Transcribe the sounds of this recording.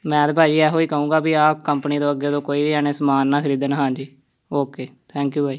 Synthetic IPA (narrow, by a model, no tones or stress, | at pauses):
mɛ̃ːd̪baːd͡ʒiːɛːɦoːiːkəũːɡaːbiːaːpkəmpniːd̪õːəɡeːd̪õːkoːiːʋiːɛneːsəmaːnːaːkʰəɾiːd̪ənɦãːd͡ʒiː | oːkeːt̪ʰɛ̃ːŋkjuːbʱaːiː